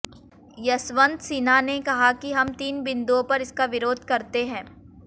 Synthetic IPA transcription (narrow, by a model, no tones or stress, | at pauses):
jɐsʋə̃nd̪siːnanekɐɦakiɦɐmt̪iːnbɪ̃nd̪uõpɐɾɪskaʋɪɾoːd̪̚ʱkɐɾt̪eɦɛ̃ː